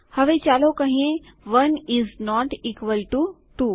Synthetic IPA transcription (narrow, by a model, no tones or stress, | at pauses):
hɐʋet͡ʃaːlokɐɦĩẽ | ʋɐnɪznɔːʈiːkʋəlʈu | ʈuː